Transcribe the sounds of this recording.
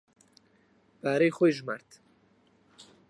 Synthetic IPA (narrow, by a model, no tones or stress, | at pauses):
b̥aːɾejxojʒmaɾt̪